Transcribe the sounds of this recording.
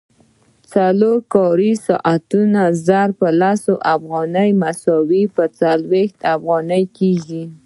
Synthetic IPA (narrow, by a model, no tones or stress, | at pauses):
t͡saloɾkɑɾisɑ̰ʔat̪unazaɾpəlasoʔafɣɑnəjmasɔwipət͡salwext̪afɣɑnəjkeʒi